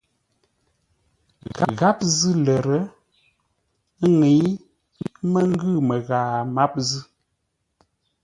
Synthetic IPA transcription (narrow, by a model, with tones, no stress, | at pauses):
ɣa˦˨ɣa˦p̚zɨ˦lə˨ɾə˦ | ŋe˨˦ | mə˦ŋ˦ɡɨ˦˨mə˨ɣaː˨ma˦p̚zɨ˦